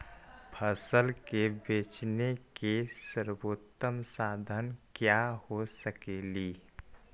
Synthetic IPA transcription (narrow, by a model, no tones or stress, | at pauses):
pʰəsəlkebeːt͡ʃnekesəɾboːt̪ːəmsaːd̪ʱənkjahosəkeːliː